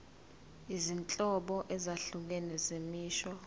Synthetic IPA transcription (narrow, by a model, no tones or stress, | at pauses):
izint͡ɬʼɔɓɔʔɛzaɬuk̬ɛnɛzemiːʃwɔ